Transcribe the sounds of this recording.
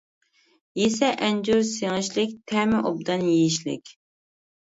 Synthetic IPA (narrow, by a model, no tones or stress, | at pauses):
jesɛʔɛnd͡ʒuɾseŋɪʃlɪk̚ʲt̪ʰɛmɪʔobd̪ɑnjeiʃlɪ̰kʲ